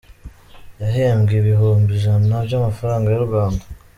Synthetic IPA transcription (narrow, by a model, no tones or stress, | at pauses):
jaɦeːmɡeβihoːmbizannaβjamafaɾaːŋɡajaɾuɡwaːnda